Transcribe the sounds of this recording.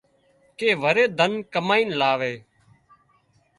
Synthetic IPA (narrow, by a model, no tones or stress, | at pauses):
keːʋəɾeːd̪ʱənkəmaːiːnlaːʋeː